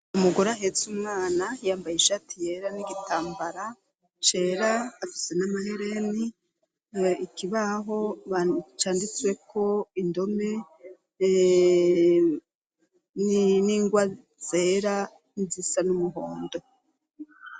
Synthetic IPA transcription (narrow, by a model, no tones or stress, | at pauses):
umuɡoɾaɦe̞zumŋaːnajaːmbajiʃatije̞ɾaniɡitaːmbaɾa | t͡ʃe̞ːɾaːfi̥se̞namahe̞ɾe̞ni | ikiβaɦo̞at͡ʃaːndit͡swe̞kʰo̞indo̞me̞ | niniːŋɡwa | z̥eːɾa | nizisanumuɦoːndo̞